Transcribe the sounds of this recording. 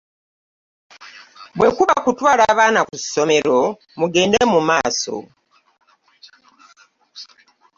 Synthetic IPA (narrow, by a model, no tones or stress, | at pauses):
βwe̞kuβakutwaːlaːβaːnaku̥so̞me̞ɾo̞ | muɡe̞ːndemumaːso̰